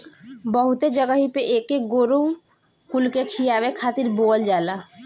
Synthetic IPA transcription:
bɔɦut̪ed͡ʒəɡaɦipeʔekeɡoɾu | kulkekʰijaβekʰat̪iɾbold͡ʒala

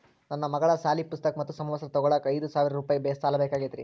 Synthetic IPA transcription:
nɐnːɐmɐɡɐɭɐsaːlipust̪ɐkɐmɐt̪ːusɐmʋɐsɐɾɐt̪ɔɡɔɭɐkɐjd̪usaːʋiɾɐɾuːpaːjibeːst̪aːlɐbeːkaːɡid̪ɾḭ

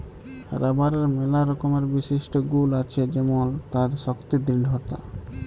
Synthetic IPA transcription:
ɾabaɾeɾmelaɾɔkomeɾbiʃiʃʈoɡulat͡ɕʰed͡ʑɛmont̪ad̪ʃɔkt̪id̪ɾiɖʱɦot̪a̰

